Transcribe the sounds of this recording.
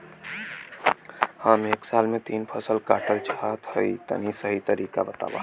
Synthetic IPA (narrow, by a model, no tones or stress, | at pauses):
hameːksaːlmẽt̪iːnpʰəsəlkaːʈəlt͡ʃaɦat̪həit̪ə̰nisəɦit̪əɾiːka̰bət̪a̰ːʋa̰